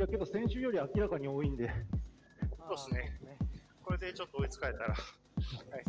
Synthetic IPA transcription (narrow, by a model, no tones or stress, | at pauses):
jake̞d̪osẽ̞ɰ̃ɕɨjo̞ɾʲiakʲiɾakaɲ̟io̞ːĩnd̪e̞ | sosɨne | ko̞ɾe̞d̪e̞t͡ɕo̞t̪ːoːit͡sɨ̥kae̞t̪aɾa̰ | a